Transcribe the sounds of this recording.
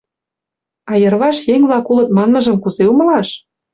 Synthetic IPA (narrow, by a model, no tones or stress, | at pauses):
ɑjɤ̆rβɑʃjeŋβlɑkulɤ̆t̪̚mɑnmɤ̆ʒɤ̆mkuzeumɤ̆lɑʃ